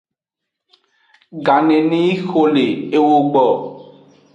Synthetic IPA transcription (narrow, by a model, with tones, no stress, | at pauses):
ɡa˨nẽ˨nẽ˦i˦xo˦le˨e˦wo˦ɡ͡bɔ˨